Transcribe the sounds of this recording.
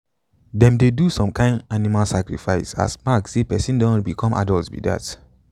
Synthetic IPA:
dɛ̃mdedusɔ̃mkʰãɪ̃ndanimalsakɹḭfaɪsa̰smaksepɛsĩndɔ̃bikʰɔ̃mʔa̰dɔltbḭda̰t

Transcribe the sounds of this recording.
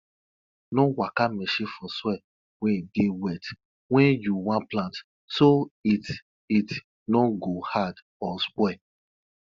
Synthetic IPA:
nɔ̃wakamɛʃefɔswɛ | wɛ̃dewɛt | wɛ̃juwãplãnt | soit | it | nɔ̃ɡohad | ɔskwɛ

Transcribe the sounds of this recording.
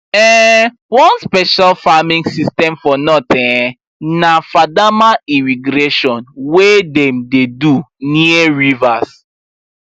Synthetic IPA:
ɛ | wɔ̃nspɛʃalfamĩŋsistɛ̃mfɔnɔtĩ | nafadamaimiɡɾeʃɔ̃nwedɛ̃mdeduniɛɹivas

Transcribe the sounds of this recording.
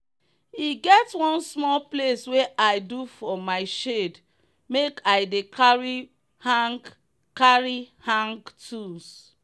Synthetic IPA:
iɡɛtwɔ̃nsmɔlplesweʔaɪdufɔmaɪʃed | mekaɪdekɹi | h | kaɹihãŋɡtʰus

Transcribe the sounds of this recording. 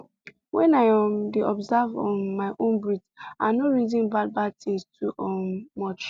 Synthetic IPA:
wɛ̃naɪamdeʔɔbzavɔmaɪʔõnbɹitanoɹiz̬ĩnbad̚bad̚tĩŋstʰuʔɔːɔt͡ʃ

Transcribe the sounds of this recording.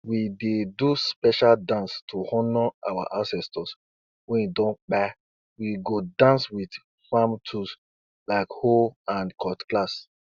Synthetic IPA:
wideduspɛʃaldãnstʰuhɔ̃nɔa̰wa̰ʔãsɛstɔs | wɛ̃ndɔ̃nk͡pa | wiɡodãnswid | famtʰus | laɪkholãnkʰɔtklas

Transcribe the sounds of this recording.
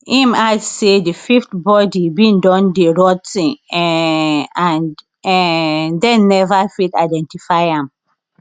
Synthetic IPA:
ĩmadsedififtbɔdibĩndɔ̃ndeɹɔd̚tĩŋ | ãn | ɛdɛ̃nːɛvafitadɛ̃ntifaɪãm

